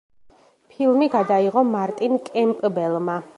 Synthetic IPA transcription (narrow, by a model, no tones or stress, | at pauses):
pʰilˠmiɡad̪aiʁɔmaɾt̪ʼinkʼɛmpʼbɛlˠma